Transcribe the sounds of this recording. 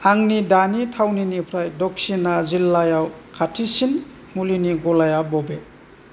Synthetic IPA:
aŋnidanitʰawninipʰɾajdɔk̚sinazilːajawkʰatʰisin | muliniɡɔlajabɔbe

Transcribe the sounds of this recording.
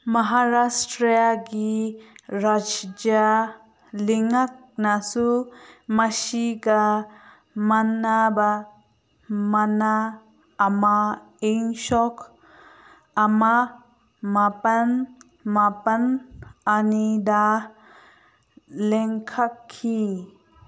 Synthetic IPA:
mɐɦaɾastɾiaɡi | ɾad͡ʒd͡ʒa | liŋak̚nasumasiɡa | manaba | manaː | ma | eŋʃɔkʰ | ama | mapan | mapananida | lɛŋkʰakʰːi

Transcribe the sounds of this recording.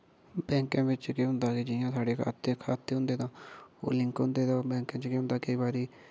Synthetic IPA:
bɛ̃ːŋkẽːbɪt͡ʃkeːɦʊ̃nd̪aːkɪd͡ʒɪjãːsʰaːɖeːkʰaːt̪ekʰaːt̪ːeːɦʊ̃nd̪eːt̪ãːo̰ːlɪ̃ŋkɦʊ̃nd̪eːt̪ãːbɛ̃ːŋkẽːt͡ʃəkiːɦʊ̃nd̪aːkəiːbaːɾiː

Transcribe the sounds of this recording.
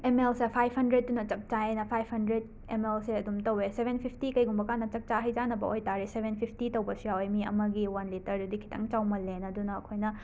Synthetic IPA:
emelsɐpʰajphɐndɾet̚ːunɐt͡ʃɐp̚t͡ʃaenɐpʰajbhɐndɾed̚ | emelsiɐdumtɐwesebʱenpʰipʰtikɐjɡumbɐkanːɐt͡ʃɐk̚t͡ʃaɦɐjd͡ʒanɐbɐʔojtaɾisebʱenpʰipʰtitɐwbɐsijawjmiɐ̰mɐɡiwanlitɐɾdudikʰi̥tʰɐ̰ŋt͡ʃawmɐlenɐdunɐːkʰojnɐ

